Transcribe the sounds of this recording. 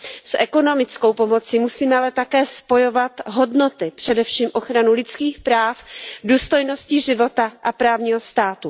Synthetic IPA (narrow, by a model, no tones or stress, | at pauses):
sʔɛko̞no̞mɪt͡sko̞wpo̞mo̞t͡simusiːmɛalɛt̪akɛːspo̞jo̞vat̪ɦo̞dno̞t̪ɪpr̝̥ɛdɛfʃiːmʔo̞xɾanulɪt͡skiːxpɾaːfduːst̪o̞jno̞sciʒɪvo̞t̪aʔapɾaːvɲiːɦo̞st̪aːt̪u